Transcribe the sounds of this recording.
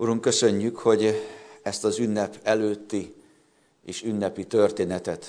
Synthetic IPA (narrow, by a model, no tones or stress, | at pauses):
uɾuŋkø̞sø̞ɲːykho̞ɟɛst̪ɒzynːɛpɛløːt̪ːi | eːʃynːɛpit̪ø̞rt̪eːnɛt̪ɛt̪